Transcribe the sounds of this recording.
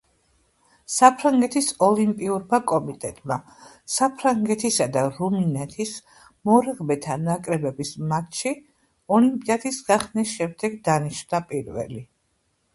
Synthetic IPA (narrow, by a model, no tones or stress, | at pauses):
sapʰɾaŋɡɛt̪ʰisɔlimpʼiuɾmakʼɔmit̪ʼɛt̪ʼma | sapʰɾaŋɡɛt̪ʰisad̪aɾuminɛt̪ʰis | mɔɾɛʁmɛt̪ʰanakʼɾɛbɛbismat̪ʃi | ɔlimpʼiad̪isɡaχnisʃɛmd̪ɛɡd̪aniʃnapʼiɾvɛ̰li